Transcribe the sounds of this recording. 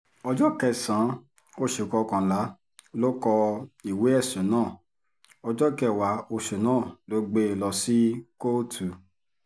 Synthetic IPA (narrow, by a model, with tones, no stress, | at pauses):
ɔ˧d͡ʒɔ˦kɛ˧sã˨˦ | o˦ʃe˨kɔ˧kã˨la˨˦ | lo˦kɔ˧i˨we˨˦ɛ˦˨sẽ˨˦nãː˦˨ | ɔ˧d͡ʒɔ˦kɛ˧˨wa˨˦o˧ʃe˨nãː˦˨lo˦ɡ͡be˦˨lɔ˧si˦ko˦˨tʰu˨